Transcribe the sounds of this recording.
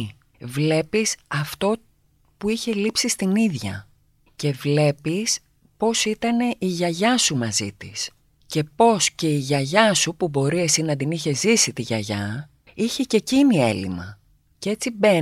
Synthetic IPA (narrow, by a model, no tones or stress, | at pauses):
vle̞pisɐft̪o̞ | puiçe̞lipsist̪iniðʝɐ̰ | ce̞vle̞pis | po̞sit̪ɐne̞ʔiʝɐʝɐsumɐzit̪ḭs | ce̞po̞sce̞iʝɐʝɐsupubo̞ɾie̞sinɐd̪iniçe̞zisit̪iʝɐʝɐ | içece̞cinie̞̰lḭmɐ̰ | cee̞t͡sibe̞